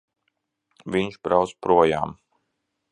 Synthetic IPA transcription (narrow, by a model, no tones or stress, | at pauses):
vʲiɲʃbɾawt̪spɾuɔja̰ːm